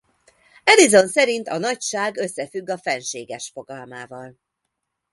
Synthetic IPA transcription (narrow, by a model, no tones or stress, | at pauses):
ɛlizo̞nsɛɾint̪ɒnɒcʃaːɡø̞sːɛfyɡːɒfɛnʃeːɡɛʃfo̞ɡɒlmaːvɒl